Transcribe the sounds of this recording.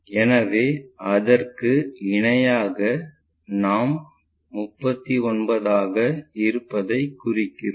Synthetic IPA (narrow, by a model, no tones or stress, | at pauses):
ɛnɐʋeːɐðɐrkɯɪɳɐjaːɣɐ | naːmː | ʊpːɐt̪ːiɔnbɐðaːɣɐɪɾɯpːɐðɐɪkːʊrɪkːɪr